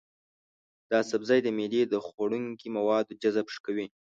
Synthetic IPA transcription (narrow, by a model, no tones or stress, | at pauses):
d̪̥əasabzɑjd̪əmed̪ed̪əxaɽuŋkimawɑd̪od͡ʒazabʂkawi